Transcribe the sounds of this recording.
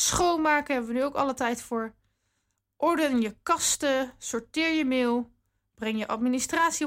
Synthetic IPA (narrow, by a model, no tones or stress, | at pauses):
sχowmaːkəɦɛbəʋənyowkɑ̰lətɛjtfʊːɹ | ʔɔɹdənjəkɑstəsʊɹtɪːɹjəmɪːlˠ | b̥rɛŋjəʔɑtministraːtsi